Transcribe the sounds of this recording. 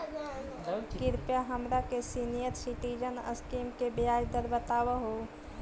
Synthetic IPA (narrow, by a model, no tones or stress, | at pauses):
kɪɾpjaɦəmɾakesinijəɾsiʈiːd͡ʒənə̰skiːmkebɪjaːd͡ʒd̪əɾbət̪aːwaɦoː